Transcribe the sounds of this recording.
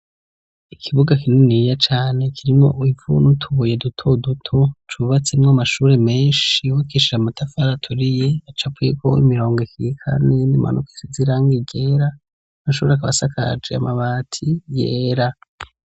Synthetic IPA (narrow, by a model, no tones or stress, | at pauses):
ikʰiβuɡakinunijat͡ʃaːne̞kʰiɾimŋo̞̰ʔivṵnutʰuβuje̞dutʰo̞dutʰo̞t͡ʃuβat͡semŋamaʃuːɾe̞me̞ːnʃiwakiʃiamatʰafaɾatʰuɾije̞at͡ʃapwikʰo̞̰ḭmiɾo̞ːŋɡekiikʰa̰ne̞niːmʔa̰nʔuki̥siziɾaːŋɡiɟe̞ːɾa | maʃuːɾeakaβasakʰa̰d͡ʒeamaβaːtʰijeːɾa